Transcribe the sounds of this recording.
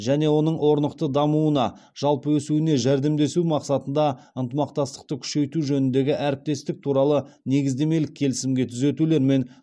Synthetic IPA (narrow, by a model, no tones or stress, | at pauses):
ʒæne̞wo̞nəɴwo̞ɾnəqt̪əd̪ɑmuənɑ | ʒ̥ɑlˠpəwɵsuɪne̞ʒæɾd̪e̞md̪e̞sumɑqsɑt̪ənd̪ɑ | ənt̪əmɑq̚t̪ɑst̪ə̥q̚t̪əkʲʰʏ̥ʃe̞jt̪uʒɵnɪnd̪e̞ɡʲɪʔæɾɪp̚t̪e̞st̪ɪk̚t̪ʰuɾɑlˠəne̞ɡʲɪzd̪e̞me̞lɪkʲʰːe̞lɪsɪmɡʲe̞t̪ʰʏze̞t̪ule̞ɾme̞n